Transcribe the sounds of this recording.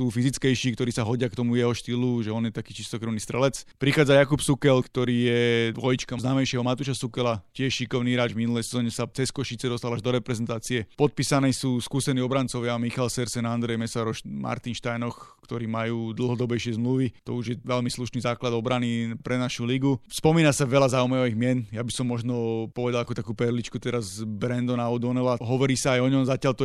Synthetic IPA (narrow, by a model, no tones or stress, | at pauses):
suːfizit͡skɛjʃiːkt̪ɔɾiːsaɦɔɟɪakt̪ɔmujɛɦɔʃt̪iːluʒɛɔnjɛt̪akiːt͡ʃist̪ɔkɾuʊniːst̪ɾɛlɛt͡spɾixaːd͡zajakupsukɛlkt̪ɔɾiːjɛʋɔjit͡ʃkaznaːmɛjʃɪɛɦɔmat̪uʃasukɛlacɪɛʃʃikɔʊniːɾaːd͡ʒvminulɛjsɛzɔːɲɛsat͡sɛskɔʃit͡sɛd̪ɔst̪alaʒd̪ɔɾɛpɾɛzɛnt̪aːt͡siɛpɔt̪̚piːsanɛːsuːskuːsɛniːɔbɾant͡sɔʋɪamixalsɛɾsɛnand̪ɾɛjmɛsaɾɔʃmʔa̰ɾt̪inʃt̪ajnɔxkt̪ɔɾiːmajuːd̪l̩ˠɦɔd̪ɔbɛjʃɪɛzmluʋit̪ɔ̰uʒjɛʋɛlmisluʃniːzaːklad̪ɔbɾanipɾɛnaʃuliɡuspɔmiːnasaʋɛlazaumajaʋiɣmɪɛnjabisɔmːɔʒnɔpɔʋɛd̪alˠakɔt̪akuːpɛɾlit͡ʃkut̪ɛɾazbɾɛnd̪ɔnaʊd̪ɔnɔlaɦɔʋɔɾiːsaːjɔɲɔmzacɪalt̪ɔ